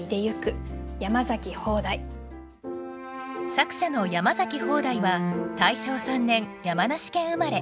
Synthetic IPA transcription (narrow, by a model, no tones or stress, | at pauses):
id̪e̞jɯ̟kɯ̟jamazakʲiho̞ːd̪ai | sakɯ̟̥ɕano̞jamazakʲiho̞ːd̪aiβat̪aiɕo̞ːsãnːẽ̞ŋjamanaɕi̥kẽ̞ɰ̃ɯ̟maɾe̞